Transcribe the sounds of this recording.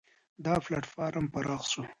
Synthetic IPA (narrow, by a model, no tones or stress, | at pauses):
d̪ɑːflaʈfɑːɾampɐɾɑxsu